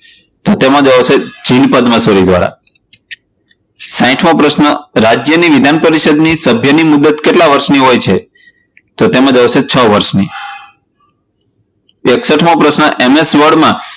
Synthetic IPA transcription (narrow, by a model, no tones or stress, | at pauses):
t̪ot̪emãd͡ʒəʋsed͡ʒinpəd̪məsoɾid̪ʋa̰ɾa̰ | sãĩʈʰmõpɾəʃnəɾad͡ʒjəniʋid̪ʱanpəɾiʃəd̪nisəbʱjənimud̪ət̪keʈlaʋəɾʃniɦojt͡ʃʰe | t̪ot̪emãd͡ʒəʋset͡ʃʰəʋəɾʃni | eksəʈʰmõpɾəsnəʔemesʋəɾɖmã